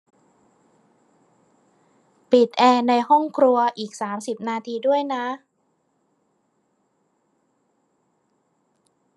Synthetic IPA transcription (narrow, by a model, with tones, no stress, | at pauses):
pi˨˩t̪̚ʔɛː˧na˧jɦɔ˥˩ŋkʰɾu˧ɐʔiː˨˩k̚saː˩˦msi˨˩p̚naː˧t̪ʰiː˧du˥˩əjna˦˥